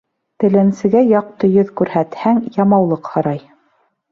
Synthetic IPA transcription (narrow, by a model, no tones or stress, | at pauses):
t̪ɘ̆lɘ̆nsɘ̆ɡæjɑq̚t̪ɤjɵðkʉɾhæt̪hæŋjɑmɑwlˠɤqhɤ̆ɾɑj